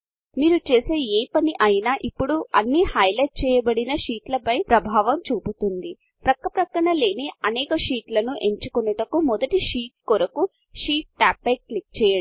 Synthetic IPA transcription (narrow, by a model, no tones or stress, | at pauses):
miːɾut͡ʃe̞ːse̞ːeːpɐniʔɐjnaːʔipːuɽuɐnːihɐjlɐjʈ̚t͡ʃɛːjɐbɐɽinɐʂiːʈlɐpɐjpɾɐbʱaːʋɐmt͡ʃuːput̪und̪i | pɾɐkːɐpɾɐkːɐɳɐle̞ːniɐnɛːkɐʂiːʈlɐnuʔe̞ɲt͡ʃukɔnɐʈɐkumɔd̪ɐʈiʃiːʈ̚kɔɾɐku | ʃiːʈ̚ːaːpːɐjk̚klik̚t͡ʃɛːjɐ